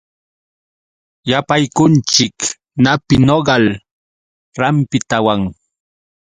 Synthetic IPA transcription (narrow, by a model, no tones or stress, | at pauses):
japajkʊnt͡ʃɪk | napɪnoɢɑl | ɾampɪt̪awaŋ